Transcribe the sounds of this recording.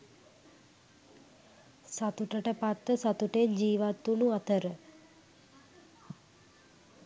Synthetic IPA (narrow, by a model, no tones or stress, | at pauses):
sat̪uʈəʈəpat̪ːəsat̪uʈend͡ʒiːʋat̪ːunuat̪ʰəɾə